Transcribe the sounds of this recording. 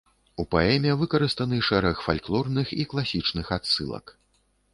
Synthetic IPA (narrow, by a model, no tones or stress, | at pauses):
upaɛmʲɛvɨkɐɾɨst̪ɐnɨʂɛɾɐxfalʲklˠɔrnɨxiklˠasʲit͡ʂnɨxat̪sɨ̰lˠɐ̰k